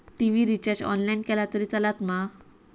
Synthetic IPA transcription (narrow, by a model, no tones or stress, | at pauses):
ʈiʋiɾit͡ɕaɾd͡ʑɔ̰nlajnkɛlat̪əɾiːt͡salat̪ma